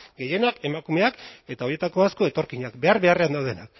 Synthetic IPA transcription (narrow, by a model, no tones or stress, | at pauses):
ɡe̞je̞nake̞makume̞ake̞t̪ao̞ɾje̞t̪ako̞asko̞e̞t̪o̞ɾkiɲakbe̞aɾβe̞areand̪awðe̞nak̚